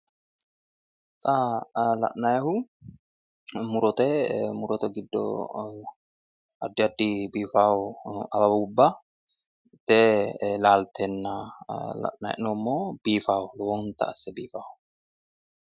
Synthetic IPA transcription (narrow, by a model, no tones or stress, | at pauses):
t͡sʼaːlɐ̰ʔnɐjɐhʊ | mʊɾɔt̪ɛmʊɾɔt̪ɛɡɪd̪ːɔ̰ | ɐd̪ːɪɐd̪ːibiːfaːwʊɐbɐbuːbːɐ | t̪ːeːlaːlt̪ɛnːɐlɐ̰ʔnɐ̰j̰ʔɪnɔmːoːbiːfaːwʊlwɔnt̪ɐ̰ɐsːɛbiːfaːhʊ